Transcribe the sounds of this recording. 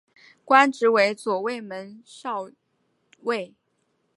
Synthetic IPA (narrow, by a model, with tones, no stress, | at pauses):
kwa˥nʈ͡ʂɻ̩˧˥we˧˥ɪt͡swɔ˨˩we˥˩ɪmə˧˥nʂɑ˥˧ʊ | we˥˩ɪ